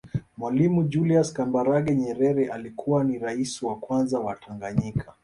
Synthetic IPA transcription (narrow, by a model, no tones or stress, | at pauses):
mwalimud͡ʒuliaskambaɾaɠɛɲɛɾɛɾɛʔalikʰuwaniɾaisiwakwanzawatʰaŋɡaɲikʰa